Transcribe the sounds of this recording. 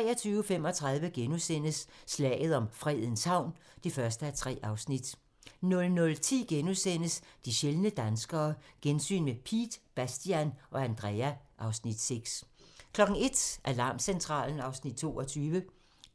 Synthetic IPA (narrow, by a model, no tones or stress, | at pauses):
ʁɛ̰ːɐt͡sʰyːʊfem̰ɒ̽t͡sʰʁɑ̈ð̞ˠʋəɡ̥enusen̰əsːlɛ̰ːð̞̩ˠɒ̽mfʁɛðˠən̩shɑ̈ʊ̰n | d̥ifɶɐsd̥əæɐt͡sʰʁɛ̰ːʔɑ̈ʊsnid̥ | nɔ̽lnɔ̽lt͡sʰḭːɡ̥enusen̰əsd̥iɕelnəd̥ænsɡ̥ɐːɡ̥ensy̰ːnmepʰḭːd̥b̥æsd̥iænɒ̽ænd̥ʁɛæʔɑ̈ʊsnid̥seɡ̥skʰlɒ̽ɡ̥n̩e̝d̥ʔæɐlɑ̈ːmsent͡sʰʁɑ̰̈ːln̩ɑ̈ʊsnid̥̚t͡sʰo̝ːɒ̽t͡sʰyːʋə